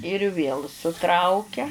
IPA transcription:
ɪr ʋʲeːlˠ sʊˈtrɐʊkʲɛ

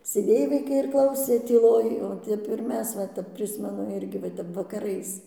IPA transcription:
sʲeːˈdʲeːj ʋɐɪˈkɐɪ ɪr ˈklˠɐʊsʲeː tʲiːˈlˠoːj oː ˈtʲɛp ɪr ˈmʲɛs ʋɐ ˈtʲɛp ˈpʲrʲɪsʲmʲɛnʊ ˈɪrʲɡʲɪ ʋɐ ˈtʲɛp ʋɐkɐˈrɐɪs

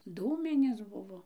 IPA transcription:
ˈduːmʲɪnʲeːs ˈbʊʋoː

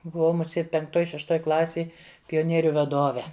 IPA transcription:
bʊˈʋɐʊ mʊˈsʲeːt pʲɛŋkˈtoːj ʃʲɛʃˈtoːj ˈklˠɑːsʲeːj pʲoːˈnʲiɛrʲʊ ʋɐˈdoːʋʲɛ

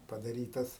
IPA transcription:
pɐdɐˈrʲiːtɐs

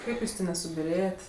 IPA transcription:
ˈkɐɪp ˈjuːs ˈtʲeː nʲɛsʊbʲɪˈrʲeːjɛtʲ

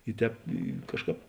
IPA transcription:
ɪ ˈtʲɛːp ɪ ˈkɑːʃˌkɑːp

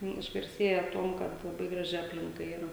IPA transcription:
ˈnʊ ɪʒɡɐrʲˈsʲeːjɛ ˈtuɔm ˈkɐt lˠɐˈbɐɪ ˈɡrɑːʒʲɪ ˈɑːpʲlʲɪŋkɐ ˈiːrɐ

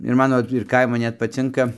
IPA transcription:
ɪr ˈmɑːnoː ɪr ˈkɐɪmʊ ˈnʲɛt pɐˈt͡sʲɪŋkɐ

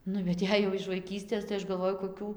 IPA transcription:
ˈnʊ bʲɛt ˈjɛɪ jɛʊ ɪʃ ʋɐɪˈkʲiːsʲtʲeːs tɐɪ ˈɐʃ ɡɐlˠˈʋoːjʊ koːˈkʲuː

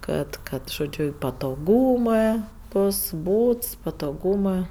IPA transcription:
ˈkɐt ˈkɐt ʒoːˈd͡ʒʲʊ ɪ pɐtoːˈɡuːmɜ ˈboːs ˈbuːts pɐtoːˈɡuːmɜ

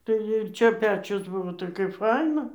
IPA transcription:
tɐɪ ɪr ˈt͡ʃʲɛ ˈpʲæːt͡ʃʲʊs ˈbʊʋoː tɐɪ kɐɪp ˈfɐɪnɐ

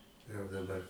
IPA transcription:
jɛʊ dɐˈbɐr

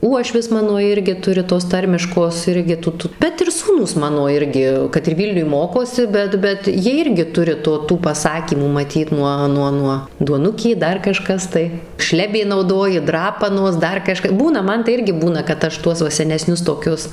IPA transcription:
ˈuɔʃʲʋʲɪs ˈmɑːnoː ˈɪrʲɡʲɪ ˈtʊrʲɪ toːs ˈtɐrʲmʲɪʃkoːs ˈɪrʲɡʲɪ ˈtʊ ˈtʊ bʲɛt ɪr ˈsuːnuːs ˈmɑːnoː ˈɪrʲɡʲɪ kɐt ɪr ˈʋʲiːlʲnʲʊj ˈmoːkoːsʲɪ ˈbʲɛt ˈbʲɛt ˈjiɛ ˈɪrʲɡʲɪ ˈtʊrʲɪ ˈtoː ˈtuː pɐˈsɑːkʲiːmuː mɐˈtʲiːt ˈnuɔ ˈnuɔ ˈnuɔ duɔˈnʊkʲeː ˈdɐr kɐˈʃkɐs tɐɪ ˈʃʲlʲæːbʲeː nɐʊˈdoːjɪ ˈdrɑːpɐnoːs ˈdɐr kɐˈʃkɐ ˈbuːnɐ ˈmɐn tɐɪ ˈɪrʲɡʲɪ ˈbuːnɐ kɐt ˈɐʃ ˈtuɔs ʋɐ sʲɛnʲɛˈsʲnʲʊs toːˈkʲʊs

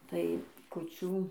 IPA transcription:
ˈtɐɪ kʊˈt͡ʃʲuː

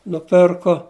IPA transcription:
nʊˈpʲɪrkoː

